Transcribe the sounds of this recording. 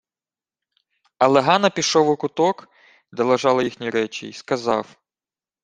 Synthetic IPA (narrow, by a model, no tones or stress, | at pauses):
ɐlˠɛɦɑnɐpʲiʃɔʋʊkʊt̪ɔk | d̪ɛlˠɐʒɑlˠɐjixnʲiɾɛt͡ʃḭskɐzɑ̰w